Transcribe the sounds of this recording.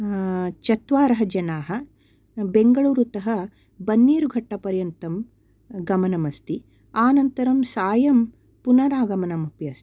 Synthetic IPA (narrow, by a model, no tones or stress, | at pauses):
t͡ʃɐt̪ʋaːɾɐɦɐd͡ʒɐnaːɦɐ | beŋɡɐɭuːɾut̪ɐɦɐ | bɐnːiːɾuɡʱɐʈːɐpɐɾjɐnt̪ɐm | ɡɐmɐnɐmɐst̪i | aːnɐnt̪ɐɾɐmsaːjɐm | punɐɾaːɡɐmɐnɐmupjɐːst̪i̥